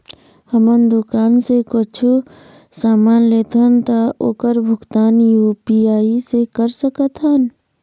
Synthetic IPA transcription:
həmənd̪ʊkaːnsekot͡ʃʰu | saːmaːnleːt̪ənt̪aoːkəɾbʱʊɡt̪aːnjupiaːisekəɾsəkət̪ʰɦən

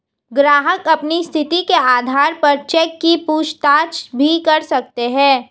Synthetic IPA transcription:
ɡɾaːɦəkɐpnist̪ʰɪt̪ikeaːd̪ʱaːɾpɐɾt͡ʃɛːkːipuːt͡ʃʰt̪aːt͡ʃbʱikɐɾsɐk̚t̪eɦɛ̃ː

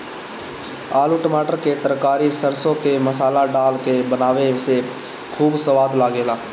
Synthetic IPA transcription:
aːluːʈəmaːʈəɾket̪əɾkaːɾisəɾsõkeməsaːlaɖaːlkebənaːʋese | kʰuːbsəʋaːd̪laːɡeːlaː

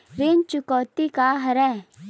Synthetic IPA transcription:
ɾɪnt͡ʃʊkɔːt̪ikaɦɐɾɛ

